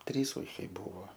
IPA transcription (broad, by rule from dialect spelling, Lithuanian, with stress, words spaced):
ˈtʲrʲiːs ˈuːkʲɛɪ ˈbuːʋoː